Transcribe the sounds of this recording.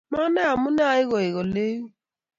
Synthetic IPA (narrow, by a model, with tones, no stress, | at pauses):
ma˦na˦a˨mʊ˦na˦a˨ɪ˦ɣɔ˨ɪ˨ɣo˨le˦u˦